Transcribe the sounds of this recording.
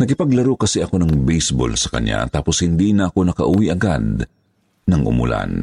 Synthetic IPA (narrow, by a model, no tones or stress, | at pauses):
nɐkɪpɐɡlɐɾokɐsɛʔɐko̞nɐŋbɛjsbo̰lsɐ̥kɐ̰ɲja̰t̪aːposhɪnd̪inɐʔɐko̞nɐkɐʔuːwiʔɐɡad̪̚ | nɐŋʔʊ̰mʊ̰la̰n